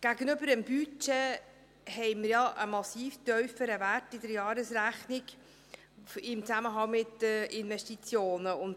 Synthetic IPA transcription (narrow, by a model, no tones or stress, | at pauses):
ɡ̥æɡənʏbəɾəmbyt͡ʃe | hɛɪməɾjɑʔəmɑsiːftœɥfəɾəværtɪdəɾjɑːɾəsɾæχnɪɡ | ɪmt͡sæməɦɑŋmɪt̪əɪnvɛʃtit͡sjoːnəʊn